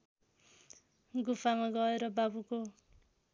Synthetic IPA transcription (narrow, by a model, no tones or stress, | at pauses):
ɡupʰamaɡʌeɾʌbabuko